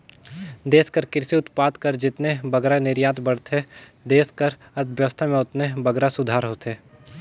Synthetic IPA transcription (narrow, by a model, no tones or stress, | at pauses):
d̪eːskəɾkɪɾsiʊt̪paːd̪kəɾd͡ʒɪt̪nebɐɡɾanɪɾjaːt̪bɐɽt̪ɦɛd̪eːskəɾ | ɐd̪ʋjəʋəst̪ʰamẽʊt̪nebɐɡɾasʊd̪ʱaːɾɦoːt̪ɦeː